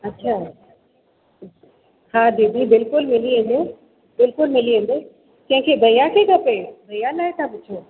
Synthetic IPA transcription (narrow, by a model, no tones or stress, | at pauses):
ɐtːɕʰaː | haːd̪eːbibɪlkʊlmɪliɦẽːn̆d̪o | bɪlkʊlmɪliɦẽːn̆d̪o | t̪ɐ̃ɦɪ̃kʰeːbʱɐjakʰekɐpebʱɐjalaːet̪ʰabʊt͡ɕʰoː